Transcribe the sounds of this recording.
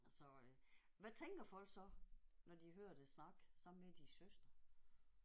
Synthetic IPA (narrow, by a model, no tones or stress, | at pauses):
sɒ̽ | ʋæt͡sʰeŋɡ̥ɐfɒ̽lsɒ̽nɒd̥iɦøːɐ̰d̥esnɑ̈ɡ̥sɑ̈m̩med̥isøsd̥ʁɐ